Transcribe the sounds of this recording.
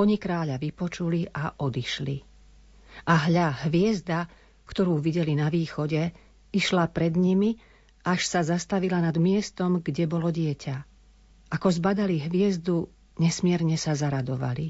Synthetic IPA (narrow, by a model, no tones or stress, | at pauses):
ɔɲikɾaːʎaʋipɔt͡ʃuliʔaʔɔd̪iʃli | ʔaɦʎaɦʋɪɛzd̪a | kt̪ɔɾuːʋiɟɛlinaʋiːxɔɟɛ | iʃlapɾɛd̪ɲimi | ʔaʃsazast̪aʋilanad̪mɪɛst̪ɔmɡɟɛbɔlɔɟɪɛcʰa | ʔakɔzbad̪aliɦʋɪɛzd̪u | ɲɛsmɪɛɾɲɛsazaɾad̪ɔʋa̰li